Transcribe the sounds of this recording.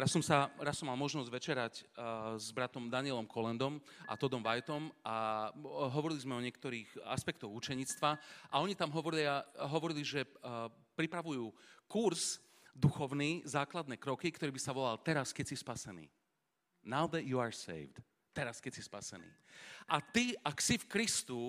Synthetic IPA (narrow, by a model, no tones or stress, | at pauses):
ɾasːɔmsaɾassːɔmːalˠmɔʒnɔzɟʋɛt͡ʃɛɾaczbɾat̪ɔmd̪aɲɪɛlɔmkʰɔlɛnd̪ɔma̰t̪ɔd̪ɔmʋajt̪ɔmʔa | ɦɔʋɔɾilizmɛɔɲɪɛk̚t̪ɔɾiːxa̰spɛkt̪ɔɣut͡ʃɛɲiːt͡st̪ʋaʔaɔɲit̪amɦɔʋɔɾiliaɦɔʋɔɾiliʒɛ | pɾipɾaʋujuːkuɾz | d̪uxɔʊniːzaːklad̪nɛːkɾɔkikt̪ɔɾiːbisaʋɔlalt̪ɛɾaskɛcsispasɛnḭː | naʊd̪ɛt̪juaɹsɛ̰ɪvd̪̥ | t̪ɛɾaskɛcsispasɛ̰nḭːʔat̪iaksifkɾist̪u